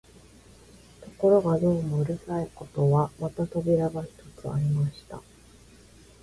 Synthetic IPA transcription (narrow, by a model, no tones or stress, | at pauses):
t̪o̞̥ko̞ɾo̞ɡad̪o̞ːmoɯ̟ɾɯ̟saiko̞t̪o̞βamat̪at̪o̞bʲiɾabaçi̥t̪o̞t͡sɨa̰ɾʲimaɕi̥t̪a̰